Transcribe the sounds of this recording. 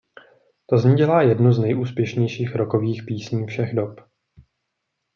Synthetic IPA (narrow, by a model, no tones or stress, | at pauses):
t̪o̞zɲiɟɛlaːjɛdnuznɛjʔuːspjɛʃɲɛjʃiːxɾoko̞viːxpiːsɲiːfʃɛɣdop